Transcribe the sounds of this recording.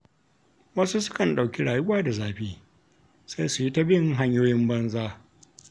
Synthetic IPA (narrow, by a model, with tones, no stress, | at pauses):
wɐ˦su˦sʊ˦kɐ˨nɗa˨wkʲi˦ɽaː˨jʊ˦waː˦da˨zaː˦ɸiː˦ | sa˦jsu˨ji˦ta˦bɪ˦˨ŋɦa˦ɲjoː˦jɪ˦mbɐ˦nzaː˦